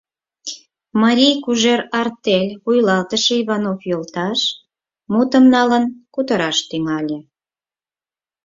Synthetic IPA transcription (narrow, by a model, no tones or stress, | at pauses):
mɑɾʲijkuʒerɑrt̪elʲβujlɑlt̪əʃeiβɑnofjolt̪ɑʃ | mut̪əmnɑlənkut̪əɾɑʃt̪ymɑlʲe